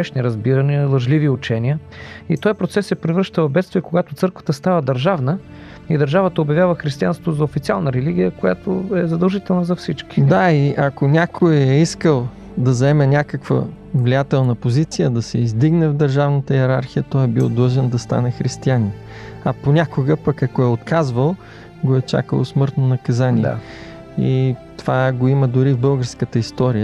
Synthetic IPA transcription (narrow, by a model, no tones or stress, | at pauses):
ɛʃniɾɐzbiɾəniəlˠəʒliviʊt͡ʃɛniəit̪ɔjpɾot̪sɛsɛpɾɛvɾəʃt̪əvɐbɛt̪st̪viɛkoɡat̪ʊt̪sɤɾkvə̥t̪əst̪avəd̪ɐɾʒavnə | id̪ɐɾʒavət̪əobjɐvjavəxɾist̪ianst̪vot̪zɐofit̪sialˠnəɾɛliɡ̟ʲijəkoja̰t̪oɛzɐd̪ɐlˠʒit̪ɛlˠnəzɐfsit͡ʃki̥d̪aiʔɐkonʲakʰojɛiskəlˠ | d̪ɐzɐɛmɛnʲakəkvə̰ | vlijat̪ɛlˠnəpozit̪sijəd̪ɐsɛizd̪iɡnɛvd̪əɾʒavnət̪əɛɾaɾxijət̪ɔjɛbilˠd̪lˠəʒɛnd̪ɐst̪a̰nɛxɾist̪ianʲɛ | ɐponʲakoɡəpəkɐkoɛot̪kazvəlˠ | ɡoɛt͡ʃa̰kə̰lˠosmɤɾt̪nonɐkɐzanʲiɛ̰ | ḭt̪ovaɡoiməd̪ʊɾivbɤlˠɡəɾskət̪əist̪ɔɾijə